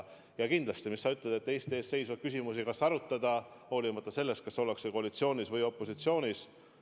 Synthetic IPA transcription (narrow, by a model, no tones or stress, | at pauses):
jɑkind̪̥lɑst̪imisːɑyt̪ːˑled̪̥et̪ːe̞ːst̪eːst̪se̞jsvɑd̥̚kysʲimusikɑsɑɾut̪ːˑɑd̪̥ɑ | ho̞ːlimɑt̪ːˑɑse̞lːest̪̚kɑsːo̞lekseko̞ɑlit̪sio̞ːnʲisvɤjo̞pːˑo̞sit̪sio̞ːnʲis